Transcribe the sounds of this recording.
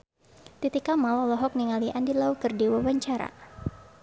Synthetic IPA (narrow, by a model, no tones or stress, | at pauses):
t̪it̪ikamalɔlɔɦɔk̚niŋaliʔandilaukɨrdiwawaɲt͡ʃaɾa̰